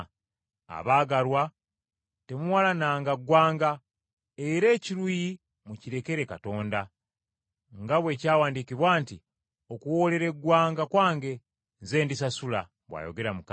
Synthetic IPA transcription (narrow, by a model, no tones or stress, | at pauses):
a̰βaːɡaɾwa | te̞muwalanaːŋɡaɡwaːŋɡa | e̞ɾe̞ːciɾuji | muciɾe̞ke̞ɾe̞kato̞ːnda | ŋɡaβwe̞ːcaːwaːndikiβwaːnti | o̞kuwo̞le̞ɾe̞ɡwaːŋɡakwaːŋɡe̞ | nze̞ːndis̬asula̰ | βwa̰ːjo̞̰ɡe̞ɾamuka